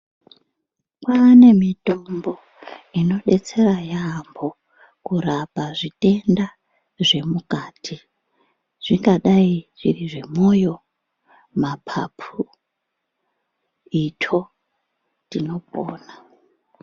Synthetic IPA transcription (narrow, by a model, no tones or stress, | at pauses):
kwane̞mito̞mbo̞ | ino̞ɗe̞t͡se̞ɾajambo̞ | kurapaʐite̞nda | ʐe̞mukaːtʰi | ʐ̥iŋɡaɗaiʐiriʐe̞mo̞jo̞ | mapʰa̰pʰu | itʰo̞ | tino̞po̰ːna